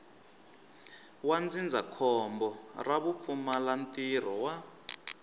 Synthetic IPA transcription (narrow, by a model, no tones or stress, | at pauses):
wand͡zind͡zʱakʰɔmbɔraβup̪fumalantʼir̤ɔwa